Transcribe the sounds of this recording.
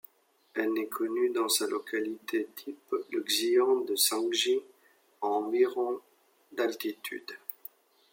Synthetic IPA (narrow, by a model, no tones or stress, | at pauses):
ɛlnɛkʰɔnyd̪ɑ̃salʔɔkalit̪et̪ʰipləɡziɑ̃d̪əsɑ̃ɡʒi | ɑ̃miʁɔ̃ | d̪alt̪it̪ʰy̰d̪